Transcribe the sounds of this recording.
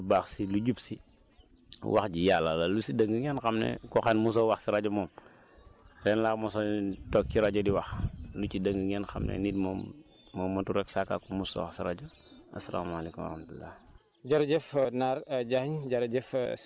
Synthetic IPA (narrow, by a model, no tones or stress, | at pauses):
baːxsiluɟupsi | wʔa̰xɟijalːalɐlusidəŋɡəŋɛnxɐmnɛ̰kɔxɛnmus̬ɔwaxsiɾaɟɔmɔːm | ɾɛnlaːmɔsɔtɔkːiɾaɟɔdiwaxlucidəŋɡəŋɛnxɐ̰mnɛ̰nitmɔmː | ɔmːɐtuɾɛksakːa̰kːumusɔ̰wa̰xsiɾaɟu | ʔɐsɐla̰ːmalekumw̰ɾɐhmtulːa̰ːh | ɟɐɾd͡ʒɛfnaɾɟahɲɟɐɾɟɛf